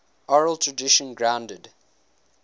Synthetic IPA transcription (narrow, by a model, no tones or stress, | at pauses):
ɔɹəlˠtʰɹədɪʃə̃nɡɹãʊ̃ndəd